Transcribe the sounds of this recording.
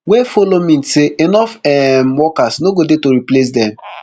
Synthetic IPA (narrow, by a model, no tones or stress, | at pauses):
wɛfolomĩn̩seenɔfɛmwɔkasnoɡodetoɾiples̬dɛ̃m